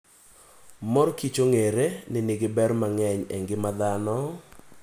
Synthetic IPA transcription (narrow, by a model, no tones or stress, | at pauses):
mɔɾkit͡ʃoŋeɾenɪnɪɡɪbɛrmaŋɛɲɛ̰ŋɡɪmad̪anɔ